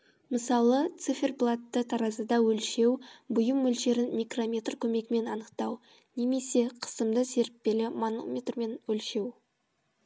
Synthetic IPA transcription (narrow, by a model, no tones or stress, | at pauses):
məsɑlˠət̪sɨfʲe̞rplˠat̪ːət̪ʰɑɾɑzəd̪ɑwɵlʃe̞wbʊjəmːɵlʃe̞ɾɪnmʲijkro̞mʲe̞t̪rkʲʰɵme̞ɡɪme̞nɑnəqt̪ɑw | ne̞me̞se̞qʰə̥səmd̪əse̞ɾɪp̚pe̞lɪmono̰mʲet̪rme̞nɵlʃe̞w